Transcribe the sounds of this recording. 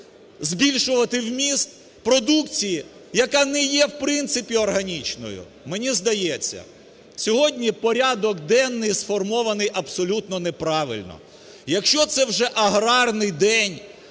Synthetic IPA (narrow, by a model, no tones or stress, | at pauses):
zbʲilʲʃʊʋɐt̪ɪwmʲist̪̚ | pɾɔd̪ukt͡sʲiji | jɐkɑnɛjɛwpɾɪnt̪sɪpʲiɔrɦɐnʲit͡ʃnɔ̰jʊ̰ | menʲizd̪ɐjɛt͡sʲːɐ̰ | sʲɔɦɔdʲnʲipɔɾʲad̪ɔɡd̪ɛnːɪjsfɔrmɔʋɐnɪjʔɐbsɔlʲut̪nɔnepɾɑʋɪ̰lʲnɔ̰ | jɐkʃt͡ʃɔt̪sɛwʒɛʔɐɦɾɑrnɪjd̪ɛnʲ